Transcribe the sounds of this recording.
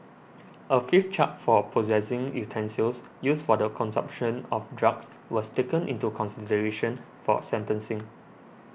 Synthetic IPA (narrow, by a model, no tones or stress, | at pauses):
ʔəfift͡ʃat̚fɔpʰozɛsɪ̃ŋjutʰɛ̃nsəls | jusfɔdəkʰɔ̃nsã̰mpʃə̃nɔfdɹaɡs | wɔstekə̃nʔḭ̃ntukʰɔ̃nsidəɹeʃə̃n | fɔ̰sɛ̃ntə̃nsɪ̃ŋ